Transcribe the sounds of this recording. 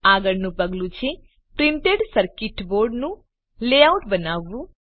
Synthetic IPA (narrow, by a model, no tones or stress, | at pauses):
aɡəɽnũpəɡlũt͡ʃʰe | pɾiɳʈeɖsəɾkɪʈboɾɖnũ | leauʈbənaʋːũ